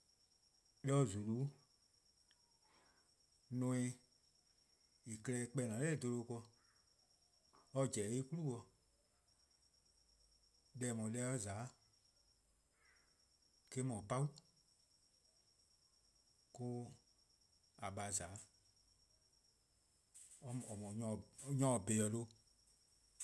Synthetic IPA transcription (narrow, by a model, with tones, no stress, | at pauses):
lɛ˧ɔ˧zu˨lu˨˦ | nõ˧˦ĩ˧ | i˨kə˧lɛ˧˦k͡pɛ˧˨nã˨˦ɛː˦˨do˧lo˧kɔ˧ | ɔ˧d͡ʒɛ˨e˦ku˦lu˦˨wɔ˧ | lɛː˧˨mɔ̃˨lɛ˧˦ɔ˦zaː˨˦ | ke˦mɔ̃˨pa˦wu˦ | ko˧ | a˨ɓa˧˨zaː˨˦˧ | ɔ˨mɔ̃˨ɲɔ̃˧˨ɲɔ̃˧˦˨be˨ɔ˨lo˧˦